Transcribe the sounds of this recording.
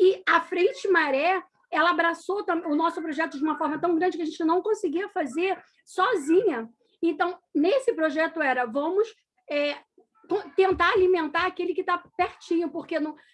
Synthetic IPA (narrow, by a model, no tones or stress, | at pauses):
ɪɐfɾẽt͡ʃɪmaɾɛ | ɛlɐabɾasot̪ɐ̃ẽʊnɔsʊpɾoʒɛt̪ʊd͡ʒɪũmɐfɔɾmɐt̪ɐ̃w̃ɡɾɐ̃nd͡ʒɪkɪɐʒẽnt͡ʃɪnɐ̃w̃kõsɪɡiɐfazeɾ | sɔzĩɲɐ | ẽnt̪ɐ̃w̃nesɪpɾoʒɛt̪ʊɛɾɐvɐ̃mʊs | ɛ | kõt̪ẽnt̪aɾalimẽnt̪aɾakelɪkɪt̪apɛɾt͡ʃĩɲʊpoɾkenɐ̃